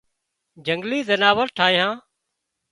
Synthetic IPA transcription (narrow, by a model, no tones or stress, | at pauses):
d͡ʒəŋɡliːzənaːʋəɾʈʰaːĩɦãː